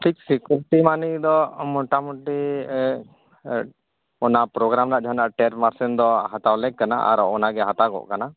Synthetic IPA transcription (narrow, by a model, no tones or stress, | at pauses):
ʈʰiksikuɾiʈimanid̪ɔmɔʈamɔʈi | ɔnapɾɔɡɾamɾaʔd͡ʒʱanaʔʈɛɾmaɾsɛnd̪ɔɦat̪awlɛk̚kana̰ʔa̰ɾɔɔnaɡɛɦat̪aɡɔ̰ʔkana